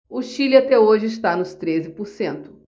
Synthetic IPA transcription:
ʊʃilɪat̪ɛoʒɪɪst̪anʊst̪ɾezɪpʊɾsẽnt̪ʊ̥

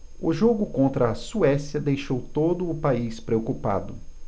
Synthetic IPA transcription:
ʊʒoɡʊkõnt̪ɾɐːsuɛsjɐd̪ejʃowt̪od̪ʊːpaispɾeokupa̰d̪ʊ

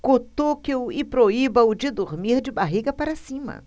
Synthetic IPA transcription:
kot̪okewɪpɾoibɐʊd͡ʒɪd̪oɾmiɾd͡ʒɪbaɦiɡɐpaɾɐsĩmɐ̰

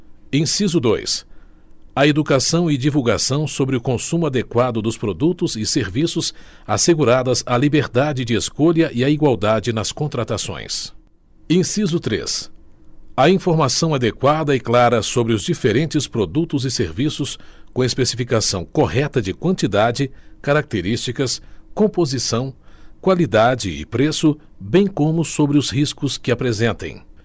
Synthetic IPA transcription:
ẽsizʊd̪o̰js | ɐed̪ukasɐ̃w̃ɪd͡ʒivuwɡa̰sɐ̃w̃sobɾɪʊkõsũmʊad̪ekwad̪ʊd̪ʊspɾod̪ut̪ʊzɪseɾvisʊzaseɡuɾad̪ɐzalibeɾd̪ad͡ʒɪd͡ʒɪeskoʎɐʔɪɐiɡwawd̪ad͡ʒɪnɐskõnt̪ɾat̪asõ̰j̃s | ẽsizʊt̪ɾḛs | ɐĩfoɾmasɐ̃w̃ad̪ekwad̪ɐɪklaɾɐsobɾɪʊzd͡ʒifeɾẽnt͡ʃɪspɾod̪ut̪ʊzɪseɾvisʊskõespesifikasɐ̃w̃kohɛt̪ɐd͡ʒɪkwɐ̃nt͡ʃid̪ad͡ʒɪkaɾak̚t̪eɾist͡ʃikɐskõmpozisɐ̃w̃kwalid̪ad͡ʒɪɪ̰pɾesʊ | bẽj̃kõmʊsobɾɪʊzhiskʊskɪapɾezẽnt̪ḛ̃j̃

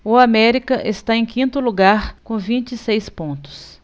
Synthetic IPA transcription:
ʊamɛɾikɐʔest̪aẽj̃kĩnt̪ʊluɡaɾkõvĩnt͡ʃɪsejspõnt̪ʊ̥s

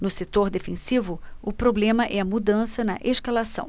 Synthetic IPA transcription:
nʊset̪oɾd̪efẽsivʊʊpɾoblẽmɐʔɛɐmud̪ɐ̃sɐnɐʔeʃkalasɐ̰̃w̃

